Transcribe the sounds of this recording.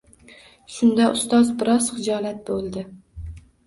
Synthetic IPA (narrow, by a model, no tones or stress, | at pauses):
ʃʊnd̪aʔʊst̪ɒzbɪɾɒzχɪd͡ʒɒlat̪̚bolˠd̪ɪ